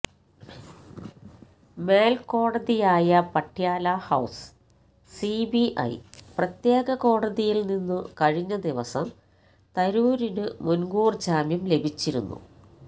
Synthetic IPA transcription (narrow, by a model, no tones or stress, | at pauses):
me̞ːlko̞ːɽɐðijaːjɐpɐʈʰːjaːlahɐws | sibiʔɐ̰jprɐt̪jeːɡɐko̞ːɽɐðijilninːɨkɐɻiɲːɐd̪iʋɐsɐm | t̪ɐɾuːɾinɨmunɡuːrd͡ʑaːmjɐmle̞bʱit͡ɕːiɾunːṵ